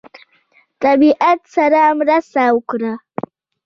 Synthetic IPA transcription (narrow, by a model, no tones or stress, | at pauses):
t̪ʼabiʔat̪saɾamɾasawkɾa